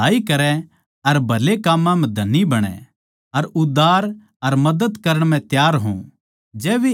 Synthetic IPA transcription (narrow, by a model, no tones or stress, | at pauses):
aːikɐɾɛ | ɐɾbʱɐlekaːmːãmɛ̃d̪ʱɐnːibɐɽ̃ɛ̰̃ | ɐɾʊd̪aːɾ | ɐɾmɐd̪əd̪kɐɾəɽ̃mɛ̃t̪jaːɾɦṵ̃ | d͡ʒɛːʋe